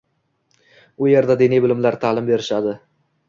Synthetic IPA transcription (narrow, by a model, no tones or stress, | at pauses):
ʊje̞ɾd̪ad̪enijbɪlɪmlaɾt̪ʰaːlɪmbe̞ɾɪʃad̪ɪ